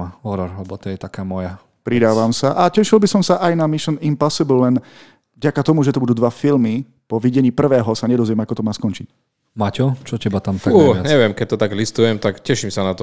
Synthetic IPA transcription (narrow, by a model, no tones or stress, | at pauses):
aɔɾɔɾlɛbɔt̪ɔjɛt̪akaːmɔja | pɾid̪aːʋamsaʔacɛʃilbisɔmsaʔajnamiʃɛnimpasiblːɛn | vɟakat̪ɔmuʒɛt̪ɔbud̪uːd̪ʋafilmi | pɔʋiɟɛɲiːpr̩ʋɛːɦɔsaɲɛd̪ɔzʋjɛmakɔt̪ɔmaːskɔnt͡ʃic̚ | macɔt͡ʃɔcɛbat̪amt̪auːaɲɛʋɪɛmkɛc̚t̪ɔt̪aɡlist̪ujɛmt̪akcɛʃimsanat̪ɔ